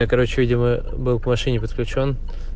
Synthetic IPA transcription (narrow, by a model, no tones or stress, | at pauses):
akɐɾot͡ɕɪvʲidʲɪmə | bɨlˠpəmɐʂɨnʲɪpət̪̚klʲʉt͡ɕo̞n